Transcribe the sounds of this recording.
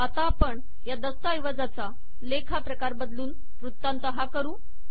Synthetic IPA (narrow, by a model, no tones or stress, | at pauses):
at̪aːpəɳ | jad̪əst̪ajʋəd͡zat͡sa | lekʰapɾəkaɾbəd̪luːn | ʋɾut̪ːant̪əɦakəɾuː